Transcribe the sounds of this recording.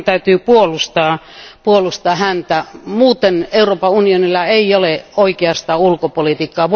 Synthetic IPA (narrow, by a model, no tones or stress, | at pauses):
t̪æyt̪yːpuolust̪ɑː | puolust̪ɑːhænt̪æmuːt̪eneuroːpɑunionilːɑeijoleoikeɑst̪ɑulkopolit̪iːkːɑːʋ